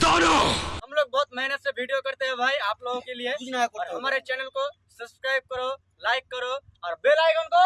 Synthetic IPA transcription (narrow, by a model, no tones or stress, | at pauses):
t̪oːnoɦɐmloːɡ̚bɔːt̪mɛɦnət̪sebʱiːɖijokɐɾt̪eɦɛ̃bʱaːiaːploːɡõkelieɔːɾɦɐmaːɾet͡ʃɛːnəlko | sɐbskɾaːɪb̚kɐɾo | laːɪkːɐɾoɔːɾbeːlaːɪkʊnko